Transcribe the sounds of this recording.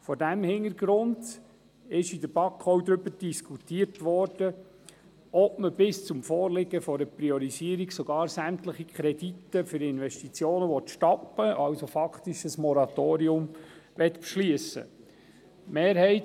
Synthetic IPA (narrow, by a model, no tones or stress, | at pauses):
fɔdæmhɪnəɾɡ̥ɾʊnd | ɪʃidəɾb̥ɑkʰːɔwd̪ɾʏbəɾd̥iskʰutiːərtʋɔɾd̥ə | ɔbməbɪst͡sʊmfɔːrlɪɡəfɔdəpɾiɔɾiziəɾiɡsɔɡɑːɾsæmtləχikʰχɾɛd̥itːəfʏɾɪnʋɛsʃtit͡sjoːnəʋɔt̪ʃtɔpːəʔɑwsofɑkχt̪iʃəsmɔɾɑt̪oːɾiʊmʋɛtpʃliəsə̰ | meːɾhɛɪt